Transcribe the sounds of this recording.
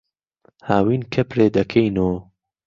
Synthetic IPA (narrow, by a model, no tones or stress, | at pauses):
haːwiːnkʰɐpɾeːd̪ɐkʰɐjno